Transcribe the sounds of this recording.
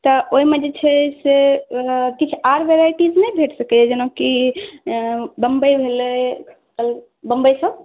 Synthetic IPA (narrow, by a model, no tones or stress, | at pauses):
t̪ɔoɦimed͡ʒet͡ʃʰɛse | kit͡ʃʰaɾʋeɾaiʈid͡ʒnɛbʱeʈʰsəkɛɛd͡ʒənaki | bəmbəjbʱelə | kəl | bəmbəjsəb̚